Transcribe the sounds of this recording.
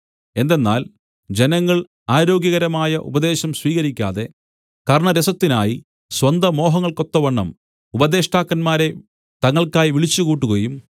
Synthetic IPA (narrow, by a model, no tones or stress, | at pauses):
e̞nd̪e̞nːa̰ːl | d͡ʑe̞nɐŋːɐɭ | aːɾo̞ːɡjɐɣɐɾɐmaːjɐʔṵbɐd̪e̞ːɕɐmsʋiːɣɐɾikʲːa̰ːðe̞ | kɐɾɳɐɾesɐt̪ːinaːji | swɐnd̪ɐmo̞ːɦɐŋːɐɭko̞t̪ːɐʋɐɳːɐ̰m | ubɐd̪e̞ːʂʈaːkːɐnmaːɾe̞ | t̪ɐŋːɐɭkaːjʋiɭit͡ɕːukuːʈːukoːjum